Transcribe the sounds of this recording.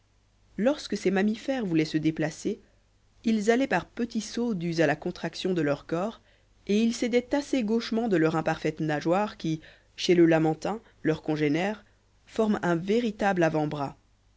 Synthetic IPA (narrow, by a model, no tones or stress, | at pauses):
lɔʁskəsɛmamifɛʁvulɛsəd̪eplase | ilzalɛpaʁpət̪isod̪yzalakɔ̃t̪χaksjɔ̃d̪əlœʁkɔːʁ | eilsed̪ɛt̪aseɡoʃmɑ̃d̪əlœʁɛ̃paʁfɛt̪naʒwaʁkʲi | ʃeləlamɑ̃t̪ɛ̃ | lœʁkɔ̃ʒenɛːʁ | fɔʁmɛ̃veʁit̪ablavɑ̃bʁa